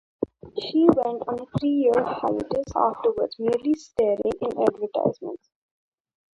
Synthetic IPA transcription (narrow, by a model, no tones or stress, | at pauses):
ʃiːʋɛ̃ɳʈɔ̃ːnet̪ʰɾiːjiəɾha̰ɪʈəsa̰ːfʈəɾʋəɾɖzmiəɾlisʈeːɾɪ̰̃ŋɪ̃næ̰ːɖʋəɾʈa̰ɪzmə̰̃ɳʈs